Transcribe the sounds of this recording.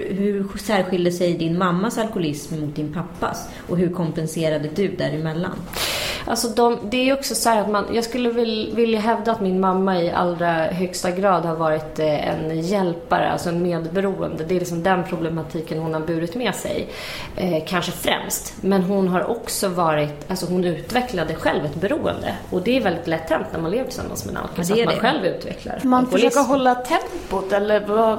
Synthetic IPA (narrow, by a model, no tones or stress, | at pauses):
ɦɵɾsæːɾɧɪld̪əsɛjd̪ɪnmamːasalkʊlɪsmːʊt̪̚d̪ɪnpʰapːa̰s | ɔɦɵɾkʰɔmpɛnseːɾad̪əd̪ɵd̪æɾɪmɛlːa̰nʔa̰lsɔd̪ɔmd̪ɛæɾjɔksɔsɔhæːɾat̪manjɑːɡskɵlːəvvɪljaɦɛvd̪aːt̪mɪnmamːaɪʔa̰lːɾaɦœkst̪aɡɾɑːd̪haɾvɑːɾɪt̪ɛ̰njɛlpaɾə̰a̰lsɔɛnmeːd̪bɛɾuːə̰nd̪əd̪ɛːɾlɪksɔmd̪ɛnpʰɾʊblɛmat̪ʰiːkənhʊnhaɾbʉ̟ːɾɪt̪mɛːsɛ̰j | kʰanʂəfɾɛ̰mst̪mɛnɦʊnɦaɾʔɔksɔvɑːɾɪt̪alsɔɦʊnʉ̟ːt̪vɛklad̪əɧɛlvɛt̪bɛɾuːə̰nd̪ə̰ɔd̪ɛæɾvɛld̪ɪt̪lɛt̪ʰːɛnt̪næ̰ɾmaneːvəʈʰɪ̥sa̰mːansmɛd̪a̰lkʰat̪manɧɛlvʉ̟ːt̪vɛ̰kla̰ɾmanfɔøːkaɦɔlːat̪ʰɛmpʊt̪ɛlːəɾa